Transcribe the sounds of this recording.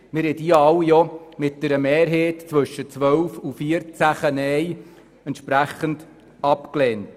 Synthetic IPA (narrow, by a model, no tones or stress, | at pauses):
mɪɾhɛdiɑwjɔmɪt̚d̥ɛɾəmɛːɾɦeːtt͡sʋɵʃːət͡sʋœlfufiəɾt͡sæχənɛj | ɛntʃpɾæχənd̥ | ɑpklɛːnt